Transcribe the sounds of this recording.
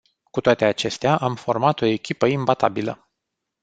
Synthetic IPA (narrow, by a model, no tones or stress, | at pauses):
kut̪oat̪e̞at͡ʃe̞st̪eaʔamfo̞rmat̪o̞e̞kʲipəimbat̪a̰bilə̰